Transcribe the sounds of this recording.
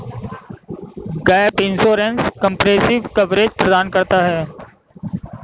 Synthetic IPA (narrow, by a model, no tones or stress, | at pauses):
ɡɛːɪpɪnsoːɾenskə̃mpɾeːsɪʋkəʋɾeːd͡ʒpɾəd̪aːnkɐɾt̪aɦɛː